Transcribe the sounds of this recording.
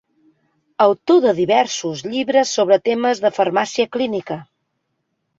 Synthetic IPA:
əwt̪oðəðiβɛɾsuzʎiβɾəsːoβɾət̪eməzðəfəɾmasiəklinikə

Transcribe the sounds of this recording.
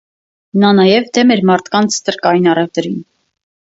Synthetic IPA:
nɑnɑjɛvd̪ɛmɛɾmɑɾt̪ʰkɑnt͡sʰt̪əɾkɑjinɑrɛvd̪əɾin

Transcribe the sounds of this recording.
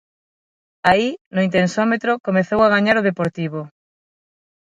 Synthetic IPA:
ainʊint̪ensɔmet̪ɾʊkomeθowaɣaɲaɾʊðepoɾt̪iβ̞o

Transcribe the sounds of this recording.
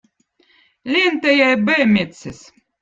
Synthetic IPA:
lʲent̪æjæjbɛːmʲet̪ses

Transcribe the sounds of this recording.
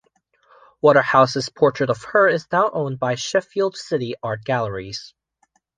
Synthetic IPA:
wɔɾə˞haʊsɨz̥pʰɔɹt͡ʃɹ̥ɨɾʌv̥hə˞ɪznaʊʔõʊ̃nbaɪʃɛfilˠd̥sɪɾiɑɹt̚ɡ̥ælˠə˞iz̥

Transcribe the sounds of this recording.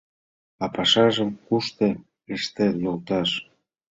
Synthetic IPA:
ɑpɑʃɑʒəmkuʃt̪e | eʃt̪enolt̪ɑʃ

